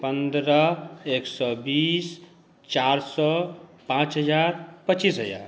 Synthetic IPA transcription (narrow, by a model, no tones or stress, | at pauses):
pənd̪ɾəeksɔbis | t͡ʃaɾsɔpãt͡ʃɦəd͡ʒaɾpət͡ʃisɦəja̰ɾ